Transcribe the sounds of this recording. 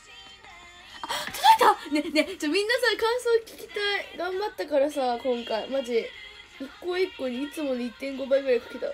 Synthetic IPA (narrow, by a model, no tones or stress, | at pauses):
asot̪ane̞net͡ɕːmʲĩnːasakãɰ̃so̞ːkʲi̥kʲi̥t̪aiɡãmbat̪ːakaɾasakõ̞ŋkaimad͡ʑi | jokːoːikːoːɲ̟iit͡sɨmo̞nit̪ːẽ̞ŋɡo̞baiɡɯ̟ɾaikḁkʲet̪a̰